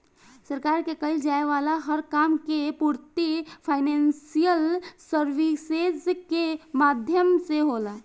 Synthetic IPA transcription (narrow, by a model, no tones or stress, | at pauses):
səɾkaɾkekəɪld͡ʒaeʋalaɦəɾkamkepuɾt̪ipʰaɪnensijəlsəɾʋised͡ʒkemad̪ʱjəmseɦolə